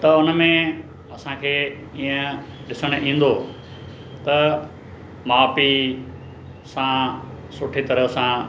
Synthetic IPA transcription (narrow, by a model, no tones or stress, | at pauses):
t̪ɐʊnə̆mẽ | ɐsãkʰeː | iːə̃ɗɪsəɽ̃ʔĩːn̆d̪o | t̪ɐ | maːpi | sã | sʊʈʰet̪ɐɾəsã